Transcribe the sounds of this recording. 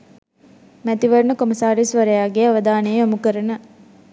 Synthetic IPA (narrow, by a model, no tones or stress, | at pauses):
mæt̪iʋɐɾnukoməsaːɾisʋɐɾɐjaːɡeaʋəd̪aːnejomukəɾənə